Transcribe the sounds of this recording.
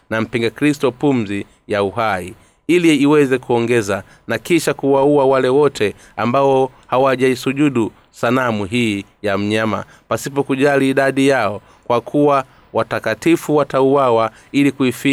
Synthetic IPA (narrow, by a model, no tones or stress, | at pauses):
nam̩piŋɡakɾistɔpum̩zi | jauɦai | iliːwɛzɛkuɔŋɡɛza | nakiʃakuwauwawalɛwɔtʰɛ | ambaɔ | hawaʄaisuʄuɗu | sanamuɦi | jam̩ɲama̰ | pasipɔkuʄaliːɗaɗijaɔ | kwakʰuwa | watakatifuwatauwawa | ilikuifi